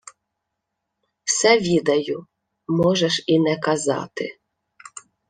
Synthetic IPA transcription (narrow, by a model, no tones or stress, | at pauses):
wsɛʋʲid̪ɐjʊ | mɔʒɛʃinɛkɐzɑ̰t̪ɪ̰